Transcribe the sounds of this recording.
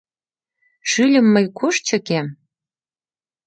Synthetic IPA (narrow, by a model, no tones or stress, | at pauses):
ʃylʲə̆mːəjkʰoʃt͡ɕɤ̆kem